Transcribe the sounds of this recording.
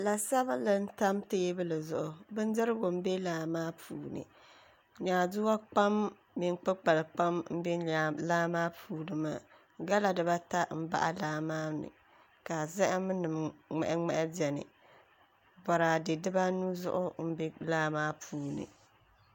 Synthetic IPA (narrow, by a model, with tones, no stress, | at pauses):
la˨sa˦ba˦lɨ˦n̩˦ta˦mteː˦bɨ˦lɨ˨zʊ˨ʔʊ˨bɨ˦n˦dɨ˦ɾɨ˦ɡo˨m̩˦be˦laː˨maː˦pʰuː˨nɨ̰˨ | ɲaː˨du˦a˦k͡pa˦m | mi˨n˦k͡pɨ˦k͡pa˨lk͡pa˦mm̩˦be˦a˨laː˦maː˦pʰuː˨nɨ˨ma˨ | ɡa˦la˨dɨ˨ba˦ta˦m̩˦ba̰˦ʔa̰˦laː˦maː˦nɨ̰˨ | ka˨zɛ˦ʔɪ˦mɨ˦nɨ˨m˨ŋɛ̰˨ʔŋ͡mɛ̰˦ʔɪ˦bɛ˨nɨ̰˨ | bɔ˨ɾaː˨dɨ˨dɨ˦ba˦nu˦zʊ̰˦ʔʊ˦m̩˦be˦laː˦maː˦pʰuː˨nɨ̰˨